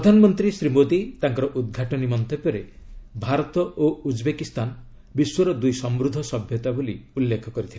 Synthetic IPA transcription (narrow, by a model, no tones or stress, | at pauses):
pɾɾɔd̪ʱanɔmɔnt̪ɾisɾimod̪it̪aŋkɔɾɔʔud̪̚ɡʱaʈɔnimɔnt̪epɔɾe | bʱaɾɔt̪ɔʔoud͡ʒbekist̪an | biswɔɾɔd̪ujsɔmɾud̪ʱːɔsɔbʱjɔt̪aboliulːekʰɔkɔɾit̪ʰile